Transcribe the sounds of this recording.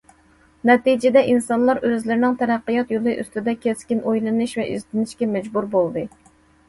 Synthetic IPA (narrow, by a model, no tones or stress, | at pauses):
nɛt̪id͡ʒɪd̪ɛʔinsɑnlˠɑɾøzlɪɾɪnɪŋt̪ʰɛɾæqːɨjɑt̪jolˠɨʔy̰st̪ɪd̪ɛkʲʰeskʲinʔojlˠɨnɨʃvɛʔy̰zt̪ɪnɪʃkʲɛmɛd͡ʒbuɾbolˠd̪ɨ